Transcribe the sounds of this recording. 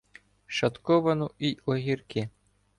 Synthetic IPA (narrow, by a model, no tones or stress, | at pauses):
ʃɐt̪kɔʋɐnʊʔiɔɦʲirkɪ